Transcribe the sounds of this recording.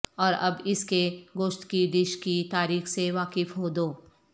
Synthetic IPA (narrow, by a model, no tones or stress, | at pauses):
ɔːɾɐbɪskeɡoːʃt̪kid̪ɪʃkit̪aːɾiːxseʋaːkɪfɦoːd̪oː